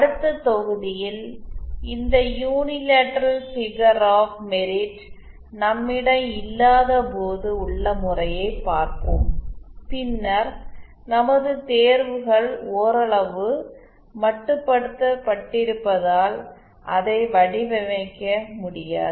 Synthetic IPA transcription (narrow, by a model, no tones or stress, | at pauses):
ɐɽɯt̪ːɐt̪ːɔɣɯðɪjɪl | ɪnd̪ɐjuːnɪleːʈːɐɾɐlsɪɣɐɾaːfmɛɾɪʈ | nɐmːɪɽɐmɪlːaːðɐpoːðɯʊɭːɐmʊrɐjɐɪpaːɾkɯ̰mpɪnːɐɾ | nɐmɐðɯt̪eːɾʋɯɣɐɭoːɾɐɭɐʋɯ | mɐʈːɯpːɐɽɯt̪ːɐpːɐʈːɪɾɯpːɐðaːl | ʔɐðɐɪʋɐɽɪʋɛʋɐɪkːɐmʊɽɪja̰ːðɯ